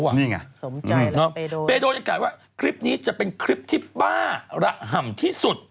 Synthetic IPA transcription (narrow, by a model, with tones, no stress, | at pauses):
a˧˨niː˥˩ŋa̰˧˩˦nɔ˦˥beː˧doː˧na˧klaː˨˩waː˥˩kʰɾi˦˥p̚niː˦˥t͡ɕa˨˩ʔpe˧nkʰɾi˦˥p̚t̪ʰiː˥˩baː˥˩ɾa˦˩ʔɦa˨˩mt̪ʰiː˥˩su˨˩t̪̚